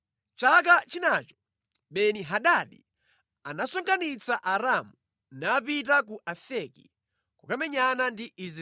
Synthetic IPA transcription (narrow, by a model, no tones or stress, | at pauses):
t͡ʃak̬at͡ʃinaːt͡ʃɔ̥ | ɓɛniɦaɗaɗi | anasɔŋkʰanit͡saʔaɾamu | naːpit̬ak̬uʔafɛkḭ | kukamɛɲanandiʔiz